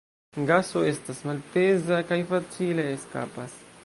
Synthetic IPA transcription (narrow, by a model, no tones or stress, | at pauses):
ɡaso̞e̞stasmalpe̞zakajfat͡sile̞ːska̰pas